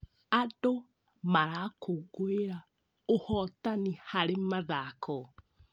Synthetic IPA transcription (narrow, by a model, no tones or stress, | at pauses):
ado | maɾakʰoɡoeɾa | ohɔtanihaɾemaðakʰɔ